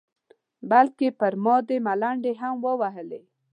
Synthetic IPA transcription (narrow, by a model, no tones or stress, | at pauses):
balkepəɾmɔd̪emalaɳɖeɦamwəwaɦəle